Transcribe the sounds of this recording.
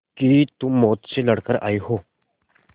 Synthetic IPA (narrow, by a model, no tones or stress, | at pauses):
kit̪umːɔːt̪t͡ɕeləɽ̤kəɾa̰jɦo